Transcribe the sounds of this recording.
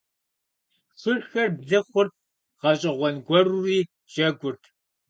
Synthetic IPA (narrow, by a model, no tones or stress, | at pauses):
sʷʊɕxɐrbzɐχʷʊrp̚ | ʁɐɕʼɐʁʷɔnɡʷɔruriː | ʒ̥ɐɡʷʊrtʰ